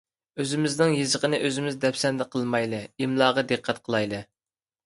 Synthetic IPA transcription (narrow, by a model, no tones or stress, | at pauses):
øzɪmɪznɪŋjezəʁənɨʔøzɪmɪzd̪ɛpsɛnd̪ɛqʰəlˠmɑjlˠɨimlˠɑːʁɑd̪ɨqʰːɛt̪̚qʰəlˠɑjlˠɨ